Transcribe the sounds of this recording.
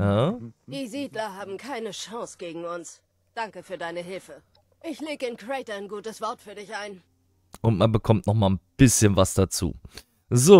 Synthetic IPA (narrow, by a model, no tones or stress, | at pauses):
ad̥iːziːdlɐɦaːbm̩kʰaɪnəʃãŋsɡ̥eːɡŋ̩ʊns | d̥aŋkəfyːɐdaɪnəɦɪlfə | ʔɪçleːɡəɪnkʁ̥ɛɪtɐaɪnɡuːtəsv̥ɔɐtfyːɐdɪçʔaɪn | ʔʊntmanbəkʰɔmtnɔχmaːlnb̥ɪsçənvasd̥at͡sṵː | zoː